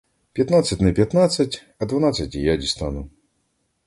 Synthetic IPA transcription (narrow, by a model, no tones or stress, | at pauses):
pʲjat̪nat̪sːɐtʲnɨpʲjat̪nat̪sːɐt͡sʲ | ɐd̪vanat̪sːɐtʲijadʲist̪anu